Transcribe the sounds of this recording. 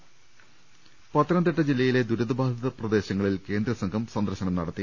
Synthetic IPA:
pɐt̪ːɐɾɐnd̪eʈːɐd͡ʑilːɐjile̞d̪uɾuðɐbʱaːd̪ʱɐðɐprɐd̪e̞ːɕɐŋːɐɭilke̞ːnd̪ɾɐsɐŋɡʰʱɐmsɐnd̪ɐrɕɐɳɐmnɐɽɐt̪ːi

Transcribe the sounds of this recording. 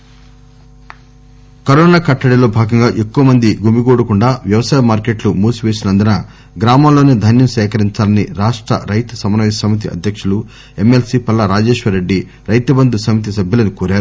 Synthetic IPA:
kɐɾoːnaːkɐʈːɐɽilo̞ːbʱaːɡɐŋɡaːʔe̞kːuʋɐmɐnd̪iɡumiɡoːɽukuɳɖaːʋjɐʋɐsaːjɐmaːɾke̞ːʈlumuːsuʋe̞ːsinɐnd̪ɐnɐ | ɡɾaːmaːlːo̞ːneːd̪ʱɐnjɐmsɛːkɐɾiɲt͡ʃaːlɐniɾaːʂʈɾɐ̰ɾɐjt̪u̥sɐmɐnɐʋisɐmit̪̬iɐ̰d̪ʱjɐkʂulu | e̞melsiːpɐlːɐɾaːd͡ʒeːʃʋɐɾe̞ɖːi | ɾɐjt̪ɐbɐnd̪usɐmit̪̬is̬ɐbʱjɐlɐnukoːɾaːɾu

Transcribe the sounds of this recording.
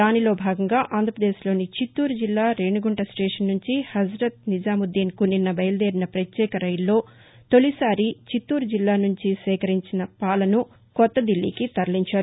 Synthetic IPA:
d̪aːnilo̞ːbʱaːɡɐŋɡaːʔaːnd̪ʱɐpɾɐd̪eːslo̞ːnit͡ʃit̪ːuːɾd͡ʒilːaːɾeɳɖuɡuɳʈɐsʈeːʂɐnːuɲt͡ʃihɐd͡ʒɾɐt̪̚nid͡ʒaːmud̪ːiːnkuninːɐbɐjɐlɐd̪eːɾinɐpɾɐt̪jɛːkɐɾɐjlːo̞ː | t̪o̞lisaːɾit͡ʃit̪ːuːɾd͡ʒilːaːnuɲt͡ʃisʋɛːkɐɾiɲt͡ʃinɐpaːlɐnu | kɔt̪ːɐd̪ilːḭːkit̪ɐɾɐliɲt͡ʃaːɾuu

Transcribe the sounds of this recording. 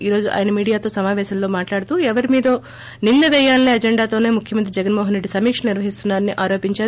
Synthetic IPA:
iːɾo̞ːd͡ʒuʔa̰ːjnɐmiːɽijaːt̪oːsɐmaːʋɛːʃɐlloːmaːʈlaːɽt̪uːɛʋɐɾimiːd̪ɐ | nind̪ɐʋɛːjaːlɐneːɐd͡ʒeɳɖaːt̪o̞ːne̞ːmukʰjɐmɐnt̪ɾid͡ʒɛɡɐnmoːɦɐnɾe̞ɖːisɐmiːkʂɐniɾʋɐɦist̪unːaːɾɐnːiʔaːɾo̞ːpiɲt͡ʃaːɾ

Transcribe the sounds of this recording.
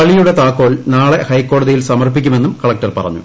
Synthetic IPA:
ɐɭijuɽe̞t̪aːkːo̞ːɭnaːɭe̞hɐjkːo̞ːɽɐðijilsɐmɐrpikʲːume̞nːumkɐɭɐk̚ʈɐrpɐ̰rɐ̰ɲːṵ

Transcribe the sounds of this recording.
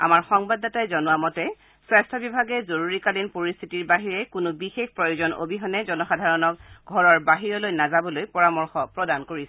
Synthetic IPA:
a̰maɹxɔŋbadɔtajzɔnʊwamɔtɛ | swɛstʰɔbibʱaɡɛzoɹuɹikalinpoɹistʰitiɹbaɦiɹɛkʊnʊbixexpɹɔjozɔno̰bʱiɦɔnɛzɔnɔxadʱaɹɔnɔk̚ɡʱɔɹɔɹbaɦiɹɔlojnazabɔlojpɔɹamɔɹxɔpɹɔdankoɹisɛ

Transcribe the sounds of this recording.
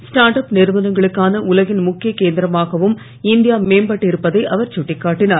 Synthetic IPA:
sʈaːɾʈɐpnɪɾmɐðɐŋɡɐɭɯkːaːnɐʔʊlɐɣɪnmʊkːɪjɐkeːnd̪ɪɾɐmaːɣɐʋɯm | ɪnd̪ɪjaːmeːmbɐʈːɪɾɯpːɐðɐɪʔɐʋɐɾt͡ʃʊʈːɪkːaːʈːɪnaːɾ

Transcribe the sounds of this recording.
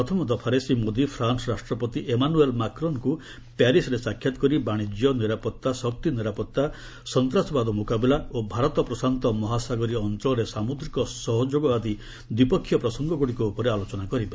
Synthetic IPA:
pɾɔt̪ʰɔmɔd̪ɔpʰaɾesimod̪ipʰɾansɔɾasʈɾɔpɔt̪iʔemanuelmakɾɔnku | paɾisɾesakʰːjat̪ɔ̥kɔɾibaɽ̃id͡ʒjɔniɾapɔt̪ːasɔk̚t̪iniɾapɔt̪ːa | sɔnt̪ɾasɔbad̪ɔmukabilaobʱaɾɔt̪ɔpɾɔsant̪ɔmɔɦasaɡɔɾiɔnt̪ɾɔɾesamud̪ɾikɔsɔɦɔd͡ʒoɡɔad̪i | d̪wipɔkʰːjɔpɾɔsɔŋɡɔɡuɽikɔupɔɾealot͡ʃɔnakɔɾibe

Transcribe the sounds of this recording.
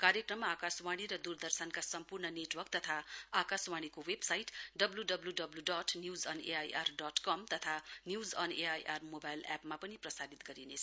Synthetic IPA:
kaɾjekrʌmːaːkaswaɽ̃iɾʌd̪urd̪ʌrsʌnkasʌmpurnʌneʈwʌrk̚t̪ʌt̪ʰaakaswaɽ̃ikowebsajʈɖʌbluɖʌbluɖʌbluɖʌʈʰnjuzʌnḛaja̰rɖʌʈkʌmt̪ʌt̪ʰanjuzʌneajʔarmobajlɛpmapʌniprʌsalit̪ɡʌɾinet͡sʰ

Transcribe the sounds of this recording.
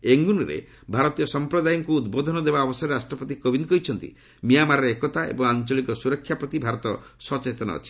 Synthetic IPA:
eŋɡunɾḛ | bʱaɾɔt̪ijɔsɔmpɾɔd̪ajɔŋkuːd̪bod̪ʱɔnɔd̪ebaɔbɔsɔɾeɾasʈɾɔpɔt̪ikobind̪kɔɦit͡ʃʰɔnt̪ḭ | mijamaɾɔɾeekɔt̪aḛbɔŋant͡ʃɔlikɔsuɾɔkʰjapɾɔt̪ibʱaɾɔt̪ɔsɔt͡ʃet̪ɔnɔ̰ːt͡ʃʰi̥

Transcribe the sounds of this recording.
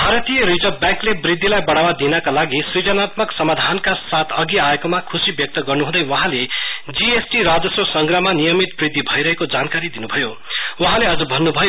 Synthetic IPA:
bʱaɾʌt̪ijʌɾid͡zʌbjaŋklebrid̪ʱːilajbʌɽawad̪inʌkalaɡisrid͡zʌnat̪mʌksʌmad̪ʱankasat̪ʰʌɡiaekomakʰusibjʌk̚t̪ʌɡʌrnuɦũd̪ʌjwʌɦãled͡ziesʈiɾad͡zʌsrosʌŋɡrʌmanijʌmit̪̚brid̪ʱːibʱʌjɾʌɦekod͡zankaɾid̪inubʱʌjo | wʌɦãleʌd͡zʌbʱʌnːubʱʌjo

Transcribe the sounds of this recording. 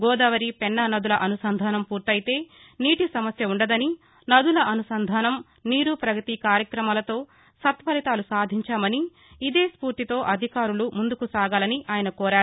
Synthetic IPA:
ɡɔːd̪ɐʋɐɾipɛnːɐnɐd̪ulɐʔɐnusɐnd̪ʱaːnɐmpuːɾt̪ɐjit̪e̞ː | niːʈisɐmɐsjɐuɳɖɐd̪ɐni | nɐd̪ulɐʔɐnusɐnd̪ʱaːnɐm | niːɾupɾɐɡɐt̪ikaːɾjɐkɾɐmaːlɐt̪o̞ː | sɐt̪ʋɐlit̪aːlusaːd̪ʱiɲt͡ʃaːmɐniː | d̪eːspuːɾt̪it̪o̞ːʔɐd̪ʱikaːɾulumund̪ukusaːɡaːlɐniʔaːjɐnɐkɔːɾaːɾu

